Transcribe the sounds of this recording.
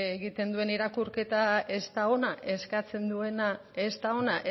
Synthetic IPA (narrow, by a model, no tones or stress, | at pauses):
eɣit̪e̞nd̪ue̞niɾakuɾke̞t̪ae̞st̪ao̞naʔe̞skat͡se̞nd̪ue̞na | est̪ao̞naʔe